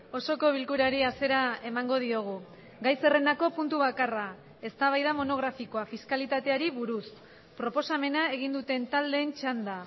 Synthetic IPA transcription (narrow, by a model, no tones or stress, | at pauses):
o̞so̞ko̞β̞ilkuɾaɾiase̞ɾae̞maŋɡo̞ð̞io̞ɣ̞u | ɡajse̞re̞nako̞punt̪uβakara | e̞st̪aβajðamo̞no̞ɣ̞ɾafiko̞afiskalit̪at̪e̞aɾiβuɾus | pɾo̞po̞same̞nae̞ɣ̞ind̪ut̪e̞nt̪ald̪e̞ːnt͡ʃand̪a